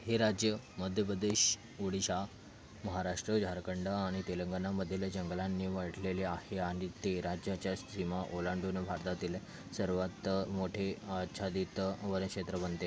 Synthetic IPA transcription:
ɦeɾad͡ʑjə | məd̪ʱjəpɾəd̪eɕ | oɽiɕa | məɦaɾaʂʈɾəd͡ʑʱaɾkəɳɖaaɽ̃it̪eləŋɡanaməd̪ʱːjelad͡ʑəŋɡlanːiːʋaʈʰleleaheaɽ̃it̪eɾad͡ʑjat͡ɕjassimaʔolaɳɖunəbʱaɾt̪at̪iːle | səɾʋat̪moʈʰeəɕʰad̪it̪ʋəɾənkʂet̪ɾəbənt̪e

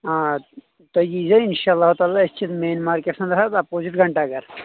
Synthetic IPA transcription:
ã | t̪ɐd͡ʒiːzeɪnʃaːlːaːɦut̪aːlaɪst͡ʃʰit̪meːnmaːɾkeʈsɐ̃nd̪ɾɦat̪apoːzɪʈɡʱɐɳʈaɡɐɾ

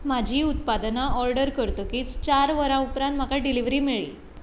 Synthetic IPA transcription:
mad͡ʑʱiːut̪̚pad̪naʔɔɾɖəɾkəɾt̪okiːt͡st͡ɕaɾʋəɾãupɾant̪m̤akaɖiliʋɾiːmiɭḭː

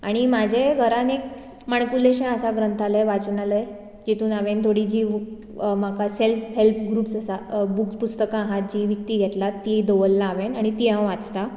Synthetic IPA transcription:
a̰ɽ̃imad͡ʑʱeɡʱəɾanek̚ | maɳkuleɕɛ̃əsaɡɾənt̪ʰaləjʋat͡snaləj | d͡ʑit̪uːnaʋent̪ʰoɽid͡ʑiːʋ | m̤akaselfɦelpɡɾuːpsasabukpust̪əkãːɦat̪̚d͡ʑiːʋəkt̪iːɡʱɛt̪lat̪ːid̪oʋəlːaːʋenaɽ̃it̪iɦãwʋat͡st̪a

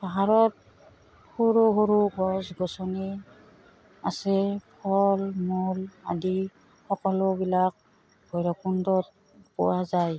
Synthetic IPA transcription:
paɦaɹɔt̚ | huɹuɦuɾuɡɔsɡɔsɔni | asɛpʰɔlmula̰di | xɔkɔlɔbilak̚ | bɔjɹɔkundɔt̚ | pɔwazaj

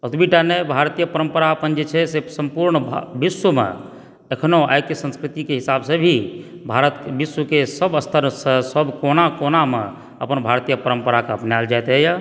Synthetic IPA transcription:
ət̪biʈanebʱaɾt̪ijəpəɾəmpəɾaəpənd͡ʒet͡ʃʰɛsesəmpuɾɳbʱbisːəmḛ̃ | əkʰnoa̰jkesə̃nskɾit̪ikeɦisabsə̃bʱi | bʱaɾət̪biswukesəbəst̪ʰəɾsə̃səbkonakoname | ə̰pənbʱaɾt̪ijəpəɾəmpəɾakeəpnjald͡ʒajt̪ɦɛja

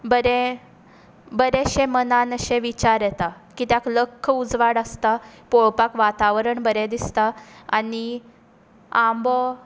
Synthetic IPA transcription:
bəɾɛ | bəɾɛɕemənanəɕẽʋit͡ɕaɾjɛt̪a | kiːt̪jakləkʰːəud͡zʋaɽəst̪apoɭpakʋat̪aʋɾəɳbəɾɛd̪ist̪aani | ãmbɔ

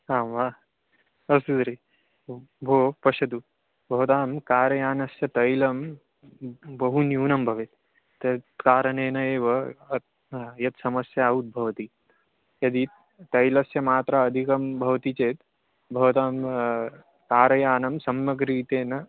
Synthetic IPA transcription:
ɦãːʋaː | ɐsud̪ɾeː | bʱoːpɐʃɐd̪u | bʱɐʋɐt̪aːmkaːɾɐjaːnɐsjɐt̪ɐjlɐm | bɐɦunjuːnɐmbʱɐʋeːt̪ː | ɐt̪kaːɾɐneːnɐeːʋɐ | jɐt̪sɐmɐsjaːut̪̚bʱɐʋt̪i | jɐd̪iː | t̪ɐjlɐsjɐmaːt̪ɾaːd̪ʱikɐmbʱɐʋt̪it͡seːt̪ | bʱɐʋɐt̪aːm | kaːɾɐjaːnɐmsɐmjɐkɾiːt̪eːnɐ

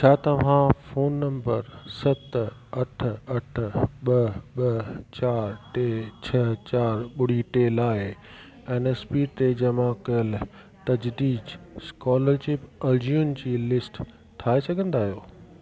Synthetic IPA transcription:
t͡ɕʰaːt̪ɐʋ̤ãfoːnːɐ̃mbəɾsɐt̪ɐʈʰɐʈʰɓɐɓɐt͡ɕaːɾʈeːt͡ɕʰɐt͡ɕaːɾɓʊɽ̤iʈeːlaːɪ | eːnespit̪ed͡ʑɐmãkɐjəl | t̪ɐd͡ʑd̪iːd͡ʑskɔːləɾʃɪpɐd͡ʒiund͡ʑiːlɪsʈ | t̪ʰaːesɐɡʱə̃nd̪aːɦijoː

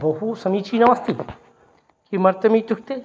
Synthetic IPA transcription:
bɐɦusɐmiːt͡ʃiːnɐʋɐst̪ʰi | kimɐɾt̪ɐmit̪ukt̪e

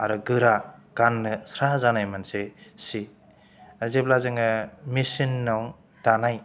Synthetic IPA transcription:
aɾɔɡɯɾaɡ̥anːɯsɾazanajmansesi | azeblazɯŋɯmisinːaw | tanaj

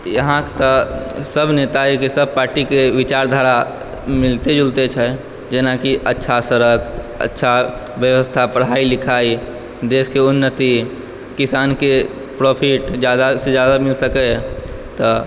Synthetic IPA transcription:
jəɦãkt̪ɔsəbnet̪aekesəb̚ʱpaːɾʈikeʋit͡ʃaɾd̪ʱaɾa | mɪlt̪ed͡ʒult̪et͡ʃʰɛ | d͡ʒenakiʔətːʃʰasəɾəkʰ | ə̰tːʃʰa | bjəʋəst̪ʰapəɽ̤ailikʰai | d̪eskeunːət̪i | kisanke | pɾopʰiʈd͡ʒjad̪ased͡ʒad̪amilsəkɛ | t̪ɔ

